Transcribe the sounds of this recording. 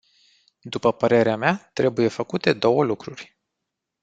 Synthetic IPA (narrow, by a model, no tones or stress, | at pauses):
d̪upəpəɾe̞ɾeameat̪ɾe̞buje̞fəkut̪e̞d̪o̞wəlukɾurʲ